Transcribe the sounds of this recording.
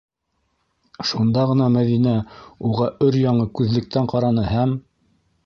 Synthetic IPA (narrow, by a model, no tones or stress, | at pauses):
ʃund̪ɑʁɤ̆nɑmæðinæuʁɑʔɵɾjɑɴɤkʉðlɘ̆k̚t̪æɴqɑɾɑnɤhæm